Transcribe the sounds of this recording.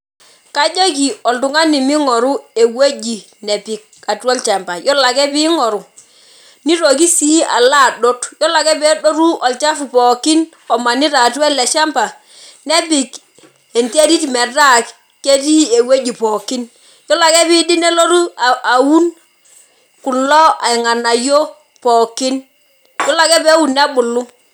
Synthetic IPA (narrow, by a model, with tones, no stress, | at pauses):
ka˦d͡ʒo˦k̬i˨ɔ˨ldu˨ŋa˦ni˨mi˦ŋɔ˨ɾu˦e˨we˦d͡ʒi˨ | nɛ˨bi˨k̚a˨twɛ˦lt͡ʃa˨mba˨jɔ˦la˨kɛ˦bi˦ŋɔ˨ɾu˨ | ni˦ɾo˨ki˦si˦ʔa̰˨la˦˨do˦tjɔ˦la˨kɛ˦bɛ˦do˦ɾu˦ʔɔ˨lt͡ʃa˦fu˨pɔ˨ki˦n | ɔ˨ma˨ni˦ɾa˨twɛ˦lːɛ˨ʃa˦mpa˨ | ne˦bi˨k | e˨nte˦di˦ti˨mɛ˨da˦k | ke˦ti˦e˨we˦d͡ʒi˨pɔ˨ki˦n | jo˦la˨kɛ˦bi˦di˦ne˦lo˦ɾu˦a˨a˨wu˦n | ku˨nlɔ˦a˨i˨ŋa˨na˨jo˦ | pɔ˨ki˦n | jɔ˦la˨kɛ˦be˦wu˨nː˦a˦bu˨lːu˦